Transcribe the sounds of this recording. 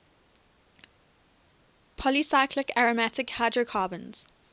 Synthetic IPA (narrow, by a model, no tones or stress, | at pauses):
pʰɔlisaɪkʰlɪkaɹəmatɪkhaɪdɹəkʰɑːbə̃nz̥